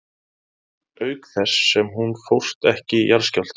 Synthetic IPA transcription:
œɥkθɛsːɛmɦunfowr̥st̪ɛhcɪjaɾ̥scœl̥t̪

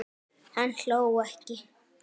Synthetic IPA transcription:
hant͡ɬowahki

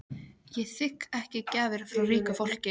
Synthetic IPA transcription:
jɛθɪkɛhcɪcaːvɪɾ̥fɾawriːkafowl̥cɪ

